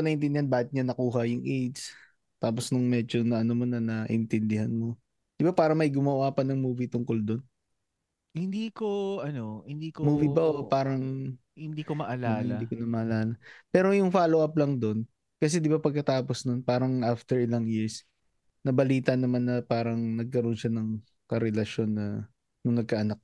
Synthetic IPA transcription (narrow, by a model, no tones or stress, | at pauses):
ɐnɐʔɪnt̪ɪnd̪ɪhanbaːʔɪt̪̚ɲɐnɐkuːɦɐjʊŋʔɛjd̪s | t̪aːposnʊŋmɛːd͡ʒo̞nɐʔɐnomonɐnɐʔɪ̰nt̪ɪnd̪ɪhanmo̞ | d̪̥ɪbapaːɾɐmɐjɡʊmaʊʔaːpɐnɐŋmuːvit̪ʊŋko̞ld̪o̞n | hɪnd̪iːkoʔɐnohɪnd̪iːkomuːvibɐʔopaːɾɐŋ | hɪnd̪iːkomɐʔɐlaːlɪɐiːkonɐmɐʔɐlaːlɐpɛːɾo̞jʊŋfaːloʔɐplɐŋd̪o̞n | kɐs̬ɛd̪ɪbapɐɡ̚kɐt̪aːpo̞snonpaːɾɐŋʔaft̪ɛɹʔɪlaŋjiɹs | nɐbɐliːt̪ɐnɐmanːɐpaːɾɐŋnɐɡ̚kɐɾo̞nʃanɐŋ | kɐɾɛlɐʃjo̞nːɐ | nʊŋnɐɡ̚kɐʔɐnak̚